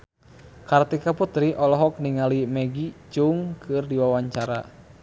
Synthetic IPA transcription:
kart̪ikaput̪ɾiʔɔlɔɦɔk̚niŋalimɛɡit͡ʃuŋkʰɨrdiwawaɲt͡ʃaɾa̰

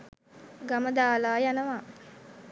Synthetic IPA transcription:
ɡaməd̪aːlaːjanəʋa

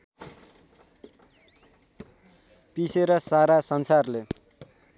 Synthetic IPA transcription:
piseɾʌsaɾasʌnsarle

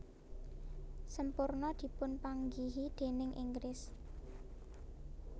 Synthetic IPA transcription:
səmpʊrnɔd̪̥i̤pʊnpaŋɡiɦid̪̥e̤nɪŋʔḭŋɡɾɪs

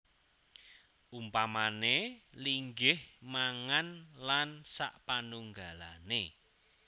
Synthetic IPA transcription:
umpamaneliŋɡɪhmaŋanlansa̰ʔpanuŋɡala̰ne

